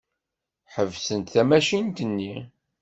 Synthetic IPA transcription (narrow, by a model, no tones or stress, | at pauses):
ħəvsənt̪θæmæʃint̪ənːi